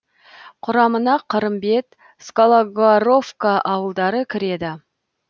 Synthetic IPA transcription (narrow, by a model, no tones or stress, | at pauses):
qʰʊɾɑmənɑqʰəɾəmbe̞t̪ | skolˠoɡaɾo̞fkaʔɑwəlˠd̪ɑɾəkʲʰɪɾe̞d̪ɪ